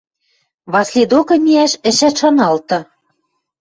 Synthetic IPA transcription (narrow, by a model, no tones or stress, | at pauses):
βɑslʲed̪okɤ̆mʲiæʃɘ̆ʃæt̪ʃɑnɑlt̪ɤ̆